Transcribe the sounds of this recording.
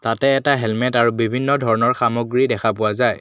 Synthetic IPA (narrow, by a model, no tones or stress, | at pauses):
tatɛːtaɦɛlmɛtaɹubibʱinːɔdʱɔɹɔnɔɹxamɔɡɹidɛkʰapʊwazaj